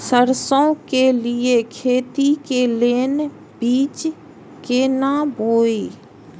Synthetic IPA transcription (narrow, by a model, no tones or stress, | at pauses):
səɾsõkelɪekʰeːt̪ikeleːn | biːt͡ʃ | keːnabʱoːiː